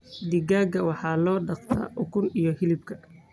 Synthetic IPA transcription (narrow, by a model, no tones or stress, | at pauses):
d̪ɪɡaːɡɐwɑħɑːlɔːɖɑqt̪ʰɐ̰ʔʊkʰʊnijɔhɪlɪb̚kʰɐ̥